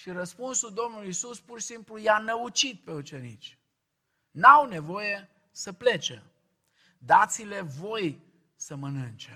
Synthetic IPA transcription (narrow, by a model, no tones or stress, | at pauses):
ʃiɾəspunsuld̪o̞mnulisuspurʃi̥simplujanəut͡ʃit̪̚pe̞ut͡ʃe̞nḭt͡ʃʲ | nawne̞vo̞je̞ | səple̞t͡ʃḛ | d̪at̪sile̞vo̞j | səmənɨnt͡ʃe